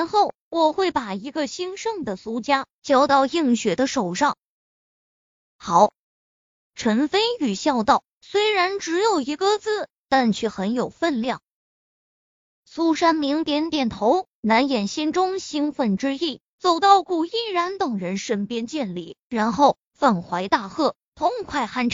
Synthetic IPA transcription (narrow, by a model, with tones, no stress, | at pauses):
ɻa˧˥nxo˥˩ʊ | wɔ˨˩xwe˥˩ɪpa˨˩i˧˥ɡə˥˧ɕi˥ŋʂɤ˥˩ŋd̪ə˩su˥t͡ɕja˥ | t͡ɕjɑ˥ʊt̪ɑ˥˧ʊi˥˩ŋɕɥɛ˨˩d̪ə˦ʂo˨˩ʊʂɑ˥˩ŋ | xɑ˨˩˦ʊ | ʈ͡ʂʰə˧˥nfe˥ɪy˨˩ɕjɑ˥˧ʊt̪ɑ˥˩ʊ | swe˥ɪɻa˧˥nʈ͡ʂɻ̩˧˥jo˨˩ʊi˧˥kɤ˥˧t͡sɹ̩˥˩ | t̪a˥˧nt͡ɕʰɥɛ˥˩xə˧˥njo˨˩ʊfə˥˧nljɑ˥˩ŋ | su˥ʂa˥nmi˧˥ŋt̪jɛ˧˥nt̪jɛ˨˩nt̪ʰo˧˥ʊ | na˧˥njɛ˨˩nɕi˥nʈ͡ʂʊ˥ŋɕi˥ŋfə˥˩nʈ͡ʂɻ̩˥i˥˩ | t͡so˨˩ʊt̪ɑ˥˧ʊku˥˩i˥˩ɻa˧˥nt̪ɤ˨˩ŋɻə˧˥nʂə˥npjɛ˥nt͡ɕjɛ˥˩nli˥˩ɻa˧˥nxo˥˩ʊ | fə˥˩nxwa˧˥ɪt̪a˥˧xɤ˥˩ | t̪ʰʊ˧˥ŋkʰwa˥˧ɪxa˥˩nʈ͡ʂ